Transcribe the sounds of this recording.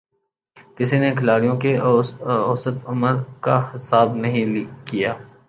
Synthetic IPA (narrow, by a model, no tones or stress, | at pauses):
kɪsinekʰɐlaːɽijõke | ɔːsət̪ɐməɾkahɪsaːbnɐɦĩkijaː